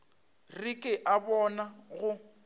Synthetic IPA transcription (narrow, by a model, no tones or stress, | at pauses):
rikʼɪʔabɔnaɣʊ